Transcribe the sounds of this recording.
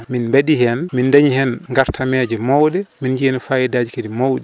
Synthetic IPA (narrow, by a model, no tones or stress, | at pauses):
minbeɗihɛnmindaɲihɛnŋɡaɾtʰamɛːd͡ʒɛmɔwɗɛmind͡ʒiɛnfajɛdaːd͡ʒikedimowɗɛ